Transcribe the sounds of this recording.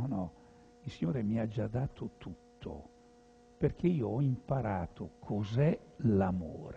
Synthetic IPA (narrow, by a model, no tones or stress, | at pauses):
ɔnɔ | ilsiɲoːɾemiad͡ʒad̪ːaːt̪ʰot̪ut̪ʰːo̰ | perk̟eiːoɔimpaɾaːt̪okʰozɛlamo̰ːɾe